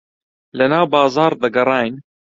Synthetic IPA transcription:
lɐnaːwbɑːzɑːɾd̪ɐɡɐrˤɑːjn

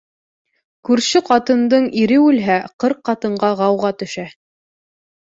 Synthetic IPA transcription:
kʉɾʃɘqɑt̪ɤ̆nd̪ɤɴiɾɘʉlɦæqɤɾqːɑt̪ɤ̆ɴɢɑʁɑwʁɑt̪ɵ̆ʃæ

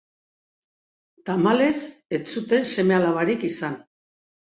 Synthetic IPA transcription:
t̪amale̞se̞t͡sut̪e̞nse̞me̞alaβaɾikisan

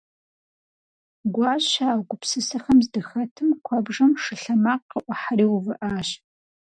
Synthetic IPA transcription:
ɡʷɑːɕaːwɡʷʊpsɨsɐxɐmzdɨxɐtʰɨmkʷʰɐbʐɐmʂɨɬɐmaːqːəʔʷɔħaɾiːwʊvɨʔaːɕ

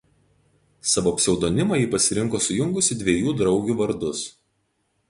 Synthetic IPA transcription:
sɑʋoːɐpʲsʲɛʊd̪oːnʲɪmɐjiːpɐsʲɪɾʲɪŋˑkoːsʊjʊŋɡʊsʲɪd̪ʲʋʲiɛjuːd̪ɾɒʊɡʲuːʋɐɾd̪ʊs

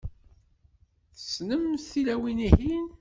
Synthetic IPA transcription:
θəsnəmθilæwinihin

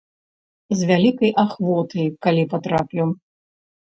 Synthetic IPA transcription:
zvʲalʲikɐjʔaxvɔt̪ɐjkalʲipat̪ɾapʲiw

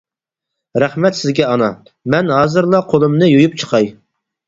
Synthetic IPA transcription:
ɾæχmɛt̪sɪzɡʲɛɑnɑ | mɛnɦɑːzɨɾlˠɑqʰolˠɨmnɨjojup̚t͡ʃʰə̥qʰɑj

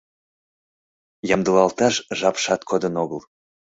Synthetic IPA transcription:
jɑmd̪əlɑlt̪ɑʃʒɑpʃɑt̪kʰod̪ənoɣəl

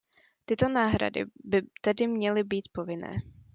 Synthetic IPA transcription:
t̪ɪt̪o̞naːɦɾa̰dɪ̰bɪt̪ɛdɪmɲɛlɪbiːt̪povɪnɛ̰ː

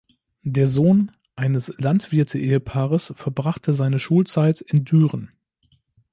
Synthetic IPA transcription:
deːɐzoːn | ʔaɪnəslantv̥ɪɐtʰəʔeːəpʰaːʁəsfɛɐbʁaχtʰəzaɪnəʃuːlt͡saɪtɪndyːʁən

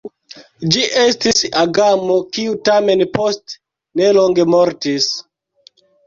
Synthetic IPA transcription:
d͡ʒiʔestisaɡamokiutame̞npost | ne̞loŋɡe̞moɾtis

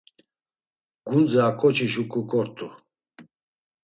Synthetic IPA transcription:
ɡ̥und͡zaːkʼɔt͡ʃʰiʃukʼukʼɔɾt̪ʼu

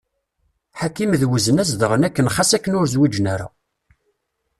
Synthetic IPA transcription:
ħakːimðwəzənæzd̪əʁənækːənχasækːənʊɾzwid͡ʒnæɾa̰

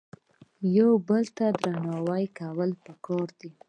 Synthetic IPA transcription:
jawbəlt̪ad̪ɾanɑwajkawəlpəkɑɾd̪i

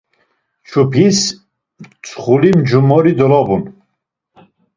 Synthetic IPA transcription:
t͡ʃʰupʰis | t͡sʰχulimd͡ʒumɔɾid̪ɔlɔbun

